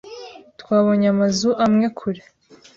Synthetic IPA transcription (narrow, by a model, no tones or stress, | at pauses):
tkwaːβoɲamazuʔamŋe̞kʰuɾe